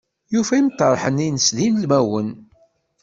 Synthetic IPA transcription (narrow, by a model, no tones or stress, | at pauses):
jufæimt̪ːɑɾˤħəninəsðinlmæwən